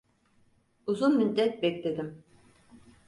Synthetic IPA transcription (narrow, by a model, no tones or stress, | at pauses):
uzunmynd̪ɛt̪̚bɛkd̪ed̪im